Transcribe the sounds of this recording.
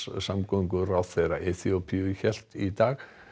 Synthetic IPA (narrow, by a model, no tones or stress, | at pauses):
samkɔŋkʏɾawθɛjɾa̰ʔeθiopʰiʏçɛl̥t̪it̪aːɣ